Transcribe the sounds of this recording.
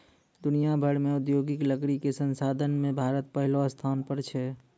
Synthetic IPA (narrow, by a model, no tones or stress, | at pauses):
d̪ʊnijabʱəɽmẽʊd̪joːɡɪkləkɾikesə̃nsaːd̪ʱənmẽbʱaːɾət̪̚pəɦɪlost̪ʰaːnpəɾt͡ʃʰɛ